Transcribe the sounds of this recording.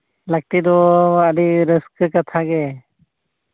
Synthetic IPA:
lak̚t̪id̪ɔadiɾəskɯkat̪ʰaɡɛ

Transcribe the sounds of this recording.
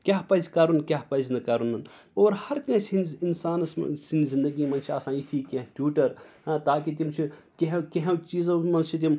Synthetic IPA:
kʲaɦpɐzʲkɐɾunkʲaɦpɐznɐkɐɾunɐn | oːɾhɐɾkɐ̃ɦsinzinsaːnɐssinzĩnd̪ɐɡiːmɐnt͡ʃʰiaːsãːit̪ʰiːkʲɐ̃ɦʈjuːʈɐɾat̪aːkit̪̬imt͡ʃʰi | keɦkeɦẽt͡ʃiːzɐmɐnt͡ʃʰit̪̬im

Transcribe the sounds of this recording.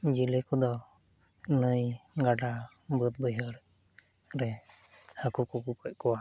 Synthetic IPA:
d͡ʒilɛkɔd̪ɔ | nəjɡaɖabət̪̚bəjɦəɽ | ɾɛhəkukukukɔc̚kɔwa

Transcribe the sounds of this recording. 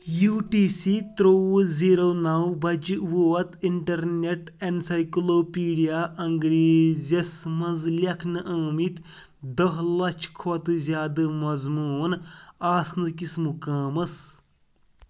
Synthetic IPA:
juːʈiːsiːt̪ɾoːziːɾoːnɐwbɐd͡ʒʋoːɐt̪iɳʈɐɾneʈeɳsɐjkloːpiːɖijaːʔɐŋɡɾeːzɐsmɐzlʲɐkʰnɨʔɐːmit̪ | d̪ɐɦlɐt͡ʃʰkʰot̪ɨzʲjaːd̪ɨmɐzmuːnaːsnɨkismukaːmɐs

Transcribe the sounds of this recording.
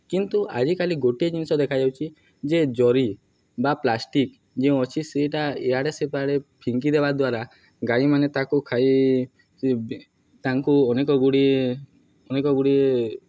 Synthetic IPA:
kint̪uʔa̰d͡ʒikaliɡoʈied͡ʒinisɔd̪ekʰad͡ʒawt͡ʃʰi | d͡ʒed͡ʒɔɾi | baplasʈik | d͡ʒeũɔt͡ʃʰiseʈaeaɽesepaɽepʰiŋkid̪ebad̪waɾa | ɡaimanet̪akukʰaj | t̪aŋkuɔnekɔɡuɽie | ɔnekɔɡuɽie

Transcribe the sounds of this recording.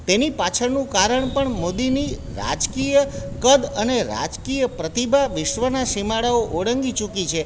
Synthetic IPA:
t̪enipat͡ʃʰəɾnũkaɾəɳpəɳmod̪iniɾa̰d͡ʒkijəkəd̪əneɾa̰d͡ʒkijəpɾət̪ibʱaʋɪʃʋənaʃimaɽaoʔoɽəŋɡit͡ʃukit͡ʃʰe

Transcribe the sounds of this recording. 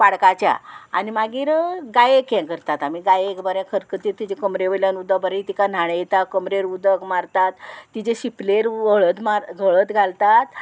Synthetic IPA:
paɽkat͡ɕja̰a̰nimaɡiːɾɡajekjɛ̃kəɾt̪at̪amiɡajekbəɾãkʰəɾkət̪iːɾt̪id͡ʑekəmɾeʋəljanud̪əɡbəɾeit̪ikan̤aɽ̃ejet̪akəmɾeɾud̪əkmaɾt̪at̪ːid͡ʑeɕipleɾʋəɭət̪maɾɡʱəɭət̪ɡʱalt̪at̪

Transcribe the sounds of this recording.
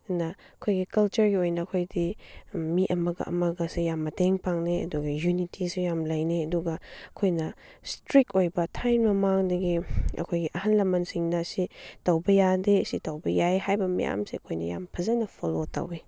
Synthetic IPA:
nɐ | ɐkʰojɡikɐlt͡ʃɐɾɡiojnɐːkʰojdimiʔɐmɐɡɐ̰ʔɐ̰mɐɡɐsijamːɐteŋpaŋneɐ̰duɡɐjunitʰisejamlɐjneɐduɡɐɐkʰojnɐ | stɾikojbɐtʰajnmɐmaŋdɐɡiɐ̰kʰojɡiʔɐhanlɐmɐnsiŋnɐsitɐwbɐjadeɐsitɐwbɐjajɦajbɐmɐ̰ja̰msiɐkʰojnɐ̰ja̰mpʰɐzɐnɐpʰolota̰we

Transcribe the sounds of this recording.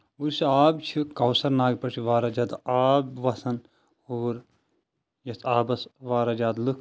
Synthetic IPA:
uɾsiaːbt͡ʃʰikɐwsɐɾnaːɡpɐt͡ʃʰiʋaːɾaɐd͡ʒɐd̪aːbʋɐsɐn | uːɾ | jɐsʰaːbɐsʋaːɾɐd͡ʒaːd̪lɨkʰ

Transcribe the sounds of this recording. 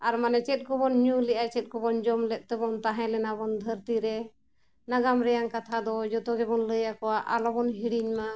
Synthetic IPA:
aɾmanɛt͡ʃɛt̪̚ˀkɔbɔnɲulɛʔajt͡ʃɛt̪̚kɔbɔnd͡ʒɔmlɛt̪̚t̪ɛbɔnt̪aɦɛ̃lɛnabɔnd̪ʱəɾt̪iɾɛ | naɡamɾɛjaŋkat̪ʰad̪ɔd͡ʒɔt̪ɔɡɛbɔnləjakɔwaʔalɔbɔnɦiɽiɲma

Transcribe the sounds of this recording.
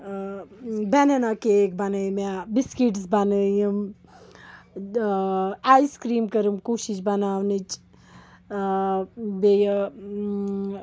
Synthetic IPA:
benenakekbanəjmebiskiʈsbanəjum | ajskɾiːmkɐɾumkuʃit͡ʃbɐnaːwnit͡ʃ | bej

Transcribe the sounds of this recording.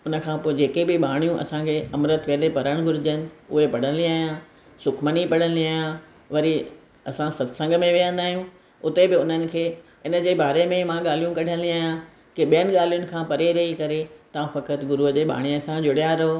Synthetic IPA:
ʊnə̆kʰãpoːd͡ʑeːkebɪɓaːɽ̃ijũʔɐ̰sãkʰeːɐmɾət̪ʋeːlepɐɾəɽ̃ɡʱʊɾɪd͡ʑənɪ̆ʊ̰ɦepɐɽ̤ə̃nliaːɦjã | sʊkʰmənipɐɽ̤ə̃niaːjã | ʋɐɾi | ɐsãsɐt̪sə̃ŋɡmẽʋijə̃nd̪aːɦijũ | ʊt̪ebɪʊn̤ənɪ̆kʰeː | ɪnə̆d͡ʑeːbaːɾemẽmãɠaːl̤ijũkɐɽʱə̃nd̪iaːɦjã | kɪɓijənɪ̆ɠaːl̤ijʊnɪ̆kʰãːpɐɾeɾɐikɐɾet̪ɐʋãfɐkət̪ɡʊɾuɦəd͡ʑeːɓa̰ːɽ̃iəsãd͡ʑʊɽjaɾɐɦo

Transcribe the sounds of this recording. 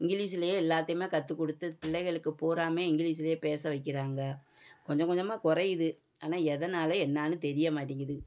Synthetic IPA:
ɪŋɡɪɭiːsɪlɐjeːɪlːaːt̪ːɐjmeːkɐt̪ːɯkːɔɽɯt̪ːɯpɪɭːɐɪɣɐɭɯkːɯpoːɾaːmeːɪŋɡɪɭiːs̬ɪlɐjeːpeːsɐʋɐɪkːɪɾaːŋɡɐkɔɲd͡ʒɐ̃ŋkɔɲd͡ʒɐmaːkʊrɐjɪðɯ | aːnaːɛðɐnaːlɐɛnːaːnɯt̪ɛɾɪjɐmaːʈːiːŋɡɐðɯ

